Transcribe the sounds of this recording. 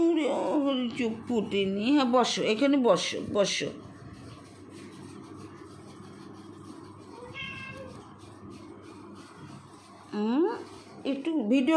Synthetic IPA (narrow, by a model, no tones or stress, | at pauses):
uɾoɾit͡ʃukpuʈeniɦɛ̃bɔʃoekʰanebɔʃo̰bɔʃo̰ | ek̚ʈubʱiɖio